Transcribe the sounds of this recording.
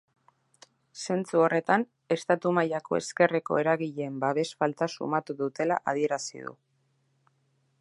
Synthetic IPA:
se̞nt͡suo̞re̞t̪an | e̞st̪at̪umajako̞̰e̞̰ske̞reko̞̰e̞ɾaɣiʎembaβe̞sfalt̪asṵmat̪uðut̪e̞laʔað̞ie̞ɾasḭðṵ

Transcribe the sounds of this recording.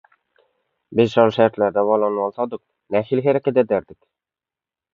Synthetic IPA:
bɘzʃɑɾʃæɾt̪læɾd̪æβɑlˠɑnɤɑlˠsɑd̪ɤq̚ | næxilɦæɾækæd̪æd̪æɾd̪ɪk

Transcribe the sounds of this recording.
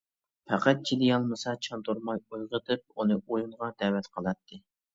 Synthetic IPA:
pʰɛqæt̪̚t͡ʃʰid̪ɪjɑlˠmɨsɑt͡ʃʰɑnt̪uɾmɑjujʁət̪ʰɨp̚unɨʔojuɴʁɑd̪̥ɛwɛt̪qʰəlˠɑt̪ʰːɨ

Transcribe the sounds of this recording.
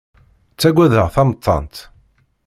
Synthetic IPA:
t͡sːæɡʷæðəʁθɑmət̪ˤːɑ̰nt̪

